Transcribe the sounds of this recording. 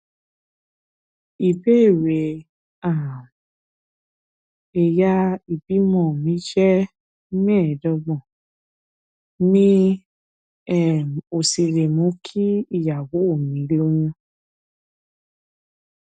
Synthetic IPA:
i˨be˦e˦˨we˨ | a˦˨ | e˨ja˧i˨bi˨˦mɔ̃˦˨mĩ˨˦ʃɛ˦ | mɛ̃˦˨dɔ˧bɔ̃˨ | nĩ˦ | ɛ˦˨m˨o˨si˧ɾe˨mũ˨˦kʰi˦i˦˨ja˨wo˨˦o˦˨mĩ˨˦li˦o˧wũ˧

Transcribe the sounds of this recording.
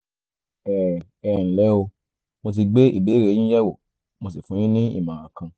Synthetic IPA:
ɛ˦˨ | ɛ˨n̩˨lɛ˨˦o˧ | mo˧t̬i˧ɡ͡be˦ḭ˦˨be˨˦ɾẽ˨˦ĩ˦jɛ˦wo˨ | mo˧si˨fũ˨˦j̃ĩ˦nĩ˦ḭ˦˨mãː˨ã˨kã˧

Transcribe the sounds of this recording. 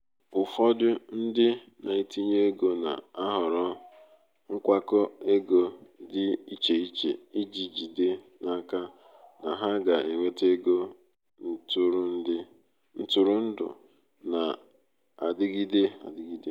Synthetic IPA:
ʊ˨fɔ˦dʊ˦n̩˦dɪ˦ | na˨i˨ti˦ɲe˦e˦ɡo˦na̰˨a˦ɦʊ˨ɾɔ˦ | ŋ̩˦kʷa˦kɔ˦e˦ɡo˨dɪ˦i˦t͡ʃe˨i˦t͡ʃḛ˨i˦d͡ʒi˨d͡ʒi˨de˦ | na˦ka˦ | na˨ɦa˦ɡa˨ʔe˨ŋʷe˦te˦ɡo˦ | tʊ˦ɾʊ˦n̩˦dɪ˦ | n̩˦tʊ˨ɾʊ˦n̩˦dʊ̰˨ | na˨ | a̰˨dɪ˦ɡi˦de˦a̰˨dɪ˦ɡi˦de˦

